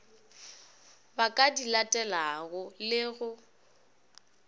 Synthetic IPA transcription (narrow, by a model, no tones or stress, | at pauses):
bakʼadilatʼɛlaɣʊlɪɣʊ